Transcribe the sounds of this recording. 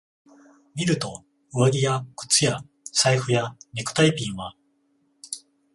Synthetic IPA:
mʲiɾɯ̟t̪o̞ | ɯβaɡʲijakɯ̟̥t͡sɨja | saiɸɯ̟janʲikɯ̟̥t̪aipʲĩɰ̃βa

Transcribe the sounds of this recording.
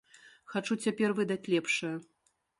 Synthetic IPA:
xat͡ʂut͡sʲapʲɛrvɨd̪at͡sʲlʲɛpʂɐjɐ

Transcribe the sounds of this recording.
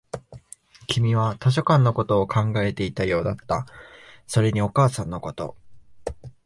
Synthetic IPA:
kʲʰimʲiβat̪oɕ̬o̞kãnːo̞ko̞t̪o̞ːkʰãŋɡae̞t̪e̞it̪ajo̞ːd̪at̪ːa̰so̞ɾe̞ɲ̟io̞kaːsãnːo̞ko̞t̪o̞̰

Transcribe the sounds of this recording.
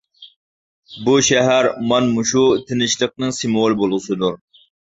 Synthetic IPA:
buʃɛɦæɾmɑnmuʃut̪ʰɪnɪʃlˠəq̚nɨŋsɨmolˠbolˠʁəsɨd̪uɾ

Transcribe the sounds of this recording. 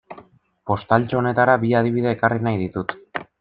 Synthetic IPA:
po̞st̪alt͡ʃo̞ne̞t̪aɾaβiað̞iβ̞iðe̞ːkarinajð̞it̪ut̪

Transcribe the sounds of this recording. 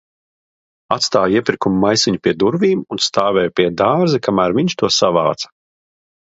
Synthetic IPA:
at̪st̪aːjiɛpʲiɾkumuːajsiɲupiɛd̪uɾviːmunst̪aːvɛːjpʲiɛd̪aːɾzikamæːɾviɲʲt͡ʃʃt̪uɔsavaːt̪sɐ̥

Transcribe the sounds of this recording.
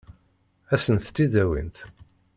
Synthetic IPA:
æsənθt̪ːid̪æwḭnt̪

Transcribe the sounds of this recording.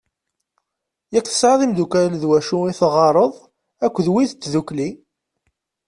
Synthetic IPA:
jækːθə̥sʕəðˤimd̪ukælðwæʃuiθʁɑɾˤəðˤ | ækʷːðwiθət͡sːðukli

